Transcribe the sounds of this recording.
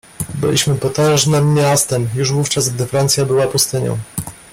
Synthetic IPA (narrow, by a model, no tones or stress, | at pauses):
bɘ̰lʲiɕmɘpɔt̪ɛ̃ʐnɘmːjast̪ɛmjuʐvuft͡ʂazɡ̚d̪ɘfɾant̪sʲjabɘwapust̪ɘɲɔ̰̃w̃